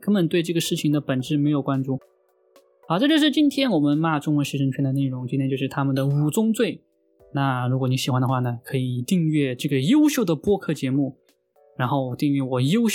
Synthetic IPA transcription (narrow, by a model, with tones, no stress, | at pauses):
kə˥nmə˨˩nt̪we˥˧ɪʈ͡ʂɤ˥˩ɡə˩ʂɻ̩˥˩t͡ɕʰi˨˩ŋd̪ə˦pə˨˩nʈ͡ʂɻ̩˥˩me˧˥ɪjo˨˩ʊkwa˥nʈ͡ʂu˥˩ | ɑ˧˥˩ʈ͡ʂɤ˥˧t͡ɕjo˥˧ʊʂɻ̩˥˧˩t͡ɕi˥nt̪ʰjɛ˥nwɔ˨˩mə˦nma˥˧ʈ͡ʂʊ˥ŋwə˧˥nʂɻ̩˥˩ʂə˧˥ŋt͡ɕʰɛ˥nd̪ə˨ne˥˩ɪɻʊ˧˥ŋt͡ɕi˥nt̪ʰjt͡ɕjo˥˧ʊʂɻ̩˥˩t̪ʰa˥mə˨nd̪ə˩u˨˩t͡sʊ˥ŋt͡swe˥˩ɪ | na˥˩ɻu˧˥kwɔ˧˥ni˥ɕi˨˩xwa˧˥nd̪ə˧xwa˥˩nə˩kʰɤ˧˥i˨˩t̪i˥˧ŋɥɛ˥˧ʈ͡ʂɤ˥˩ɡə˩jo˥ʊɕjo˥˩ʊd̪ə˩pwɔ˥kʰɤ˥˩t͡ɕjɛ˧˥mu˥˩ | ɻa˧˥nxo˥˩ʊt̪i˥˧ŋɛ˥˩wɔ˨˩jo˥ʊɕ